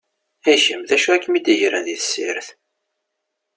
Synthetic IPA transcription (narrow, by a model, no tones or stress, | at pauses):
æçəmðæʃuækːmid̪əʝɾæðiθə̥sːɪ̰ɾθ